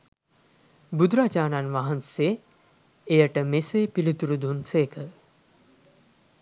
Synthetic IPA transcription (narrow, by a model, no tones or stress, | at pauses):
bud̪ɾaːt͡ʃaːnanʋaɦɐnse | ejəʈəmeseːpilit̪uɾud̪unseːkʰə